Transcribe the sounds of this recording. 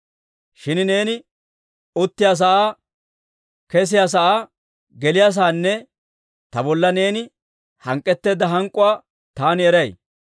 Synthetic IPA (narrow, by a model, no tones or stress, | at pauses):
ʃɪnɪne̞ːnɪ | ʊt̪ːɪjas̬ɐʔaː | kɛs̬ɪjaːs̬ɐʔaː | ɡɛlɪjas̬aːnːɛ | t̪ɐbɔlːɐne̞ːnɪ | hɐŋkʼːɛt̪ːeːd̪ɐɦɐŋkʼʊwaː | t̪aːnɪɛɾɐj